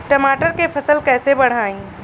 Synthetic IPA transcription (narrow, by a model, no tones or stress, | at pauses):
ʈɐmaːʈəɾkepʰɐsəlkɛːsebɐɽ̤aːĩː